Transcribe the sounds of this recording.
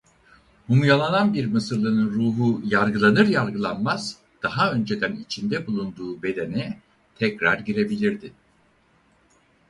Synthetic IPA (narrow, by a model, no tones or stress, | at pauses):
humjalˠananbiɾmɯsɯɾlˠɯnɯnɾuːɦujaɾɡɯlˠanɯɾjaɾɡɯlˠanmaz̥ | d̪̥aɦaø̞nd͡ʒe̞d̪ænit͡ʃʰind̪ɛbulˠund̪uːbe̞d̪e̞nɛ | t̪ʰɛcɾaɾɟiɾe̞bilʲiɾd̪ɪ